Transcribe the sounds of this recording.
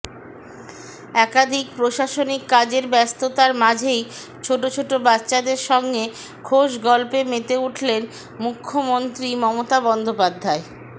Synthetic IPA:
ɛkad̪ʱikpɾoʃaʃonikːad͡ʑeɾbɛst̪ot̪aɾmad͡ʑʱej | t͡ɕʰoʈot͡ɕʰoʈobatːɕad̪eɾʃɔŋɡe | kʰoʃɡɔlpemet̪euʈʰlen | mukʰːomont̪ɾimɔmot̪abɔnd̪opad̪ʱːae

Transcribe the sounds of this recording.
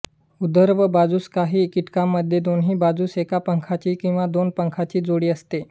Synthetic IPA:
ud̪əɾʋəbad͡zuːskaɦiːkiʈkamːəd̪ʱjed̪onɦiːbad͡zuːsekapəŋkʰat͡ɕiːkĩw̃ʋad̪onpəŋkʰat͡ɕiːd͡zoɽiːəst̪e

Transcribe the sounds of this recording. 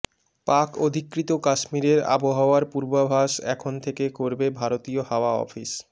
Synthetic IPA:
pakod̪ʱikɾit̪okaʃmiɾeɾa̰boɦaoaɾpuɾbabʱaʃɛkʰont̪ʰekekoɾbebʱaɾot̪iohaoaɔ̰fis

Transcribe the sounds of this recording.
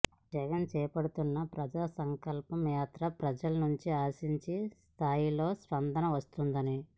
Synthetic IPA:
d͡ʒɛɡɐnt͡ʃɛːpɐɽut̪unːɐpɾɐd͡ʒaːsɐŋkɐlpɐmjaːt̪ɾɐpɾɐd͡ʒɐlɐnuɲt͡ʃiaːsiɲt͡ʃist̪ʰaːjilo̞ːspɐnd̪ɐnɐʋɐst̪und̪ɐni

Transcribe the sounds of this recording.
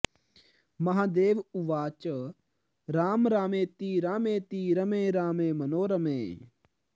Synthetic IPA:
mɐɦãːd̪eːʋʊʋaːt͡ʃ | ɾaːmɾaːmẽːt̪iːɾaːmẽːt̪iːɾəmẽːɾaːmẽːmənoːɾəmḛ̃ː

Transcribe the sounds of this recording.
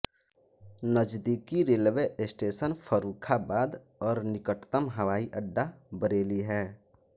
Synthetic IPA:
nəd͡ʒd̪ikiɾeːlʋesʈeːsənfʰəɾuːkʰabaːd̪ɔːɾnɪkəʈt̪əmɦəʋaːiʔəɖːabəɾeːliɦɛː

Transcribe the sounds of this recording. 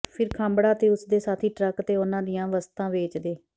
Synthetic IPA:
pʰɪɾkʰãːmbɽaːt̪eːʊsd̪eːsaːt̪ʰiːʈɾəkt̪eːʊnãːd̪ɪjãːʋəst̪ãːʋeːt͡ʃd̪eː

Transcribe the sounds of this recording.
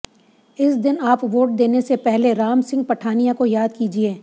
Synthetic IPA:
ɪsd̪ɪnaːpʋoːʈ̚d̪eːnesepɛɦleɾaːmsɪ̃ŋɡ̚pɐʈʰaːnijakojaːd̪kiːd͡ʒieː

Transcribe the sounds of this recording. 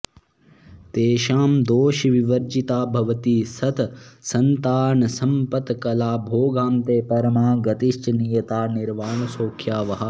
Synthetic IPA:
t̪eːʃaːmd̪oːʃiʋiʋɐɾd͡ʒit̪aːbʱɐʋɐt̪iːsɐt̪ʰsɐnt̪aːnɐsɐmpɐt̪kɐlaːbʱoːɡaːmt̪eːpɐɾɐmaːɡɐt̪iʃt͡ʃɐnijɐt̪aːniɾʋaːɳɐsoːkʰjaːʋɐɦɐ

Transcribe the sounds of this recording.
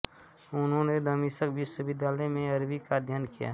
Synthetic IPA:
ʊnɦõned̪əmisəkbɪsʊbɪd̪aːləjmẽɐɾbikad̪ʱjaːnkija̰ː

